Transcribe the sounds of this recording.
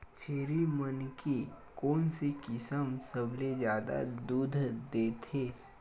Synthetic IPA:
t͡ʃʰeːɾimənke | kɔːnsekɪsəmsəbʱlezjaːd̪a̰d̪uːd̪ʱd̪eːt̪ʰeː

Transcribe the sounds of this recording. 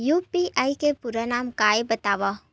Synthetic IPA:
jupiʔaːikepʊɾanaːmkaːebɐt̪aːʋa

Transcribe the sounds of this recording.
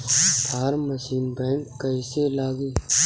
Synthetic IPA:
t̪ʰaːɾməsiːnbɛ̃ːŋkːəɪselaːɡiː

